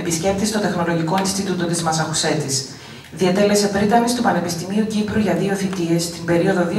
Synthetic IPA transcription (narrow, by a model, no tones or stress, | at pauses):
episce̞p̚t̪ist̪o̞t̪e̞xno̞lo̞ʝiko̞inst̪it̪ut̪ot̪izmɐsɐxuse̞t̪is | ðiet̪e̞le̞se̞pɾit̪ɐnist̪upɐne̞pist̪imiucipɾuʝɐðio̞θit̪ie̞st̪imbe̞ɾio̞ðo̞ði